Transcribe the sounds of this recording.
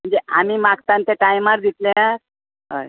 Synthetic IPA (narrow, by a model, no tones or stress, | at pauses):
m̤əɳd͡zeʔamimakt̪ãnt̪eʈajmaɾd̪it̪lẽaɾ | ɦə̰j